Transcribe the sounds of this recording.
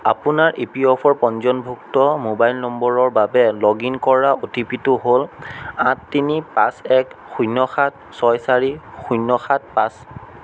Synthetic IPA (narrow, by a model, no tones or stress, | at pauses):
a̰pʊnaɹʔepiɔpʰɔɹpɔnzɔnbʱuktɔmobajlnɔmbɔɹɔɹbabɛlɔɡinkɔɹaotipitʊɦolãtːinipasɛkxujnːɔxat̚ | sɔjsaɹixujnːɔxat̚pas